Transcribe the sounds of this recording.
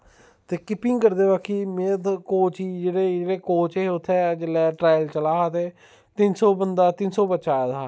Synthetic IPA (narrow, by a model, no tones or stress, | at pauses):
t̪eːkɪpɪ̃ŋɡkəɾd̪eːbaːkʰiːmeːd̪koːt͡ʃiːd͡ʒeːɽeːd͡ʒeːɽeːkoːt͡ʃeʊt̪ʰːɛːd͡ʒəlɛːʈɾaːjlt͡ʃəlaːɦat̪eː | t̪ɪnsɔːbənd̪aːt̪ɪnsɔːbətːʃaːɛd̪aː